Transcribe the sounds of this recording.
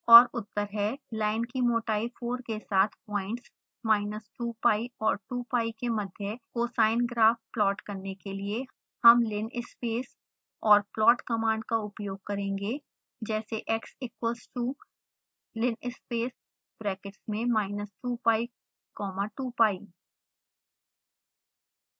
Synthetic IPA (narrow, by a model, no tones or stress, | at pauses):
ɔːɾʊt̪ːəɾɦɛlaːɪnkimoːʈaːifʰoːɾkesaːt̪ʰpɔːɪ̃ɳʈs | maːɪnəsʈuːpaːiɔːɾʈuːpaːikemɐd̪ʱjəkosaːɪnɡɾaːfplɔːʈkɐɾnekelie | hɐmlɪnɪspeːs | ɔːɾplɔːʈkɐmãːɳɖ̚kaʊpjoːɡ̚kɐɾẽːŋɡe | d͡ʒɛːseʔɛksɪkwəlsʈuː | lɪnɪspeːs | bɾɛːkɪʈsmẽmaːɪnəsʈuːpaːi | kɔːmaʈuːpaːi